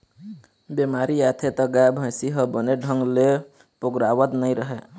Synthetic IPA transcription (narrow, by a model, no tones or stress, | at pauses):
bemaɾiat̪ʰet̪əɡabʱə̃jsiɦəbəneɖʱəŋɡle | pokɾawət̪nəjɾəɦe